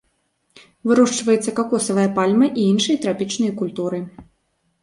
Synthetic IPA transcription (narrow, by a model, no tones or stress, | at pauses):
vɨɾɔʂt͡ʂvɐjɛt̪sːɐkakɔsɐvɨjɐpalʲmɨʔiinʂɨjɐt̪ɾapʲit͡ʂnɨjɐkulʲt̪uɾɨ